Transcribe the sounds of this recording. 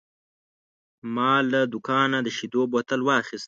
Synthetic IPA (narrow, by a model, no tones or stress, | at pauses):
mɑlad̪ʊkɑnad̪əʃid̪obot̪əlwɑxist̪